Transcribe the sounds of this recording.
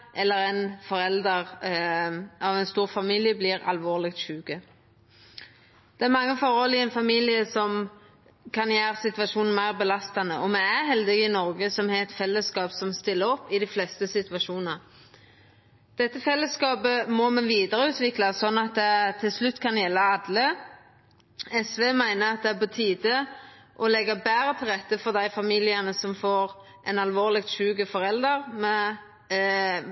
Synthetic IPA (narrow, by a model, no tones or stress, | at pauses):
ʔɛlːəɾɛɪnfɔɾɛld̪əʁ | ʔɑʋɛnst̪uːʁfɑmiːljəblɪɾɑ̰lʋoːʁlɪk̚t̪ʃʉːɡə | d̪̥ɛæɾmɑŋːəfɔɾɔlɪɛnfɑmiːlɪəsɔm | kʰɑnjæːʁsɪt̪ʋɑʂuːnn̩mæɪʁbəlɑst̪ɑnəʔɔmɛæɦɛld̪ɪɡɪnɔɾɡəsɔmhɛɛt̪fɛlːəskɑːpsɔmst̪ɪlːəɾɔpːɪd̪ɪflɛst̪əsɪt̪ʋɑʂuːnnəʁ | d̪̥ɛt̪ːəfɛlːəskɑːpəmɔmɛnʋiːd̪əɾəʉːt̪ʋɪklɑsɔnːɑt̪̚d̪ɛt̪ʰɪlslʉt̪ːkʰɑnjɛlːəɑd̪lə | ɛsʋeːmæɪnəɾɑt̪̚d̪ɛæpɔt̪ʰiːd̪ə | ʔɔlɛɡəbæːɾət̪ʰɪlʁɛt̪ːəfɔʁd̪æɪfɑmiːlɪənəsɔmfoːɾ | ʔɛnɑlʋoːʁlɪɡt̪ʃʉːɡəfɔɾɛld̪əʁmɛ